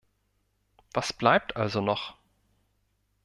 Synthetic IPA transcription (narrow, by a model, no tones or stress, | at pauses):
v̥asb̥laɪp̚tʰʔalzonɔχ